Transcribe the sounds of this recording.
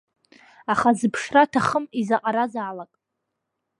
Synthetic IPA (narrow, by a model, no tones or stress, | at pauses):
aχazɨpʰʂratʰaχəmizaqʼaɾazaːlakʼ